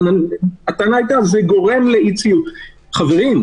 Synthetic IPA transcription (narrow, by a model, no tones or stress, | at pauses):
naat̪anaajt̪azeɡo̞ʁe̞mleit͡siut | χaveʁim